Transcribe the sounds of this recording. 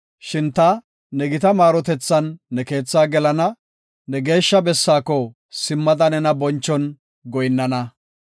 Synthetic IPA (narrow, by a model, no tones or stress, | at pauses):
ʃɪnt̪ɐ | nɛɡɪt̪ɐmaːɾɔt̪ɛt͡sːɐnːɛke̞ːt͡sːaːɡɛlɐnɐ | nɛɡe̞ːʃːɐbɛsːaːkɔ | sɪmːɐd̪ɐnɛnɐbɔnt͡ʃːɔn | ɡɔjnːɐnɐ